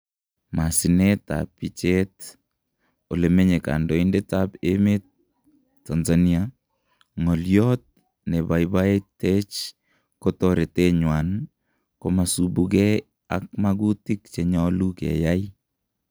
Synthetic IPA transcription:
masineta̰pːit͡ʃet | olemeɲeka̰ndɔindetapemetː | anzania | ŋɔljɔt̚ | nebajbaetet͡ʃ | kotɔɾeteɲwan | komasubukɛ | a̰k̚makutikt͡ʃeɲɔlukḛjai

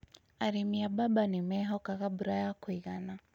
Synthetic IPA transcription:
aɾimiabaɓanimɛɦɔkaɣaɓuɾajakuiɣana

